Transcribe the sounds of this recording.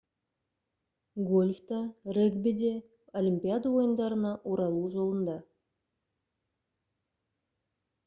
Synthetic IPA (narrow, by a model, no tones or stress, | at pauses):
ɡolʲfʲt̪ɑreɡbʲed̪ʲe | olʲimʲpʲijad̪əo̞jʊnd̪ɑɾənɑʔuɾɑlˠuːʒo̞lˠənd̪ɑ